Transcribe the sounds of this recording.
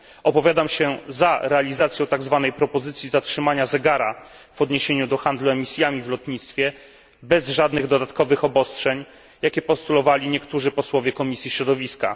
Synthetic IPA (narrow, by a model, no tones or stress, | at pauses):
ɔpɔvʲjad̪amɕɛzaɾɛalʲizat̪sjɔ̃w̃t̪aɡzvanɛjpɾɔpɔzɘt̪sʲjizatʂɘmaɲazɛɡaɾa | v̥ɔd̪ɲeɕeɲud̪ɔxand̪luɛmʲisʲjamʲivlɔt̪ɲit̪st̪fʲjɛ | bɛzʐad̪nɘɣd̪ɔd̪at̪kɔvɘxɔbɔstʂɛɲ | jakʲɛpɔst̪ulɔvalʲiɲɛkt̪uʐɘpɔswɔvʲjɛkɔmʲisʲjiɕɾɔd̪ɔvʲiska̰